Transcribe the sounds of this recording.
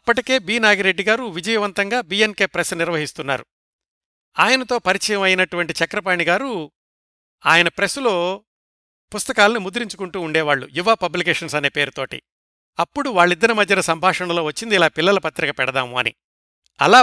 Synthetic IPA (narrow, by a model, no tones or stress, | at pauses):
ɐpːɐʈike̞ːbiːnaːɡiɾe̞ɖːiɡaːɾuʋid͡ʒɐjɐʋɐnt̪ɐŋɡaːbiːjenke̞ːpɾesniɾʋɐɦist̪unːa̰ːɾu | aːjɐnɐt̪oːpɐɾit͡ʃɐjɐmɐjinɐʈuʋɐɳʈit͡ʃɐkɾɐp̬aːɳiɡaːɾu | aːjɐnɐpɾesulo̞ː | pust̪ɐkaːlɐnimud̪uɾiɲt͡ʃukuɳʈuːɳɖɛːʋaːɭːṵjuʋaːpɐblikeːʂɐnsɐne̞ːpe̞ːɾut̪o̞ːʈḭ | ɐpːuɽuʋaːɭːid̪ːɐnɐmɐd̪ʱjɐnɐsɐmbʱaːʂɐɳɐlo̞ːʋɐt͡ʃːind̪ilaːpilːɐlɐpɐt̪ɾikɐpɛɽɐd̪aːmuɐ̰nḭ | ɐ̰laː